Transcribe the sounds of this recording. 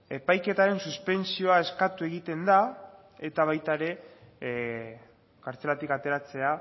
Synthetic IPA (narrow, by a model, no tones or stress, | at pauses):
e̞pajke̞t̪aɾe̞nsuspe̞nt͡sio̞ae̞skat̪ue̞ɣ̞it̪e̞nd̪a | e̞t̪aβ̞ajt̪aeɾe̞ | kaɾt͡se̞lat̪ikat̪e̞ɾat͡se̞a